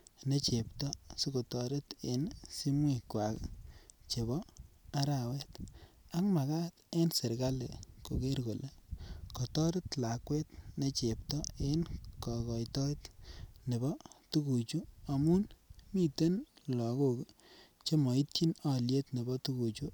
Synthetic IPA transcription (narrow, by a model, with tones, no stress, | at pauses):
ne˦t͡ʃe˨ptɔ˦su˦ko˨tɔ˨ɾe˦te˨nsi˦mwe˦kwa˨kt͡ʃe˨bɔ˦a˦ɾa˨wɛ˦t | a˦kma˨ka˦t̪e˦nse˨ɾɡa˦le˨ko˨ke˦ɾɡo˨le˦kɔ˨tɔ˦ɾe˦tla˨kwe˦t̚ne˦t͡ʃe˨p̚tɔ˦e˦nkɔ˨kɔ˨jtɔ˦tne˨bɔ˦tu˦ku˨t͡ʃu˦a˨mu˦nmi˦te˦nlɔ˨ɡo˨k | t͡ʃe˦mɔ˨i˦tt͡ʃi˦na˦lje˦tne˨bɔ˦tu˦ku˨t͡ʃu˦